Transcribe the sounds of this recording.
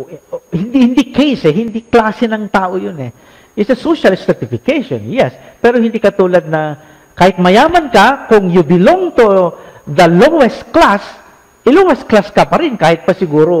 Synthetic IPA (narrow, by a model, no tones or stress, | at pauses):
hɪnd̪ihɪnd̪ikejsɛɦɪnd̪iklaːsɛnɐŋt̪aːʔojonɛ | ɪsɐsoʃɐlsɛt̪ɪfɪkejʃõ̰njɛs | pɛːɾohɪnd̪iːkɐt̪uːlɐd̪̚nɐ | kaːhɪt̪̚mɐjaːmɐnkɐkʊŋjʊbɪloŋt̪od̪ɐloɛst̪klas | ʔɪloŋɛst̪̚klaskɐpɐɾɪnkaːhɪt̪̚pɐsɪɡuːɾo